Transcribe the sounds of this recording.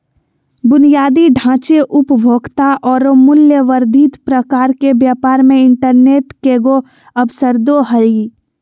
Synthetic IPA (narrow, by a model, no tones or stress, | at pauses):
bʊnijaːd̪iɖʱãːt͡ʃeʔʊpbʱoːɡt̪aʔɔːɾomʊljəʋəɾd̪ʱiːt̪pɾəkaːɾkebjaːpaːɾmẽɪɳʈəɾneːʈkeɡo | əbsəɾd̪oɦəi